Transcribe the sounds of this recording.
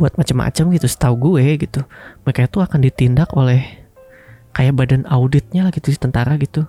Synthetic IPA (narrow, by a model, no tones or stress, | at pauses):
buat̪̚mat͡ʃəmːʔa̰t͡ʃəmɡit̪usə̥t̪auɡuɛɡit̪umekajat̪uakandit̪indakolɛh | kajabadanaudɪt̪̚ɲalaɡit̪udit̪ənt̪aɾaɡit̪u